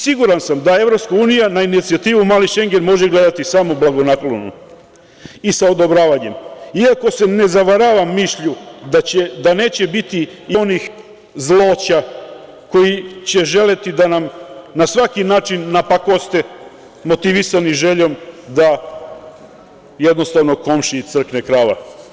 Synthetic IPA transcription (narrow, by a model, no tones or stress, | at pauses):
siɡuɾansamd̪ae̞ʋɾo̞pskauːnijanainit̪siat̪iːʋumaːliʃe̞ŋɡe̞nmo̞ʒeɡle̞d̪at̪isaːmoblˠaɡo̞naklonṵ | isaod̪o̞bɾaːʋaɲe̞miakose̞ne̞zaʋaɾaʋamːiʃʎud̪aed̪ane̞ːt͡ɕe̞bit̪iionix | zlˠoːt͡ɕa | ko̞jit͡ɕe̞ʒe̞le̞t̪id̪anamnasʋakinaːt͡ʃinːapakost̪e | mo̞t̪iʋisaniʒe̞ʎo̞md̪a | jed̪no̞st̪aʋno̞ko̞mʃit̪sr̩knekɾaːʋa̰